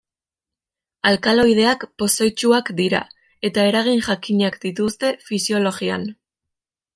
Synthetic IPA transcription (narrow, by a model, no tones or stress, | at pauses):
alkalo̞jð̞e̞akpo̞sajt͡ʃuakd̪iɾa̰ | e̞t̪ae̞ɾaɣinʝakiɲakd̪it̪ust̪e̞fisjo̞lo̞ɣia̰n